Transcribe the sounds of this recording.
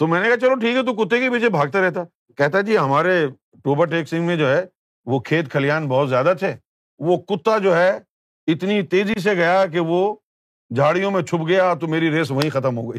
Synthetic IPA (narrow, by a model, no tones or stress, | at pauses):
t̪omɛ̃ːnekaɦt͡ʃɐloʈʰiːkɦɛt̪̬ok̬ʊt̪ːekebiːt͡ʃebʱaːɡ̚t̪eɾɛɦt̪aɛ | kɛɦt̪aɦɛd͡ʒiːɦɐmaːɾe | ʈoːbəɾʈeːksɪ̃ŋɡmẽd͡ʒoːɦɛ | ʋokʰeːt̪kʰɐlijaːnbɐɦʊt̪zjaːd̪at̪ʰeː | ʋokʊt̪ːad͡ʒoːɦɛ | ɪt̪nit̪eːzis̬eɡɐjak̬eʋo | d͡ʒʱaːɽijõmẽt͡ʃʰʊpɡɐjat̪omeːɾiɾeːsʋɐɦĩxɐt̪əmɦoːɡɐiː